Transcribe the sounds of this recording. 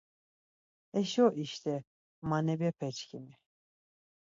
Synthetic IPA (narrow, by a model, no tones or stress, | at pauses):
ɛʃɔʔiʃt̪ʰɛ | manɛbiɛpʰɛt͡ʃkʰimi